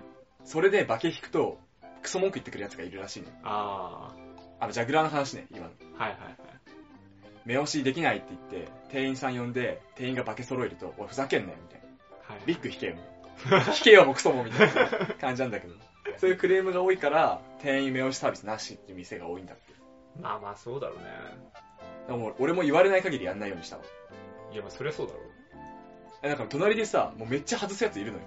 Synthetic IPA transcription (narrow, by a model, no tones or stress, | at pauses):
so̞ɾe̞d̪e̞bake̞çʲi̥kɯ̟̥t̪o̞ | kɯ̟̥so̞moŋkɯit̪ːe̞kɯ̟ɾɯ̟jat͡sɨ̥ɡaiɾɯ̟ɾaɕiːnḛa | amod͡ʑaɡɯ̟ɾanoɦanaɕ̬inḛḭma̰nohajhaaj | me̞o̞ɕid̪e̞kʲinait̪ːe̞it̪ːe̞̰t̪e̞ːĩɰ̃sãɰ̃jõ̞nd̪e̞t̪ẽ̞ːĩŋɡabake̞so̞ɾo̞iɾɯ̟t̪o̞̰oaɸɯ̟zakẽ̞nd̪a̰jomit̪a̰ina | abʲikːɯ̟çi̥ke̞̰ːmo̰çi̥ke̞βamokɯ̟so̞momʲit̪ainakãɲ̟d͡ʑinãnd̪ake̞d̪o̞mo | soːjɯ̟kɯ̟ɾe̞ːmɯ̟ɡao̞ːikaɾat̪ʰẽ̞ːĩme̞o̞ɕi̥saːbʲisɨnaɕit̪ːeɯ̟mʲise̞ɡa̰o̞ːĩnd̪at̪ːe | aːmaːsoːd̪a̰ɾo̰nḛ | d̪amoːo̞ɾe̞mo̞iβaɾe̞naikaɡʲiɾʲḭjanːaijo̞ːɲiɕi̥t̪amo̰jamaso̞ɾeasoːd̪a̰ɾo̰ | anãkaɾt̪o̞naɾʲid̪e̞sa̰mo̞ːme̞t͡ɕːahazɨsɨjat͡sɨiɾɯ̟no̞̰jo̰